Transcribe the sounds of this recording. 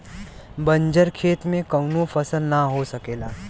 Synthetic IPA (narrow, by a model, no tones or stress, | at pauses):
bə̃ɲd͡ʒəɾkʰeːt̪mẽkəʊnõfʰɐsəlnaɦosəkeːlaː